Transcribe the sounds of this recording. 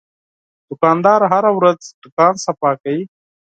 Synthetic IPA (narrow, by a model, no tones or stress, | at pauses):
d̪̥ʊkaːnd̪aːɾɦɐɾawɾɐd͡zd̪̥ʊkaːnsɐpaːkəi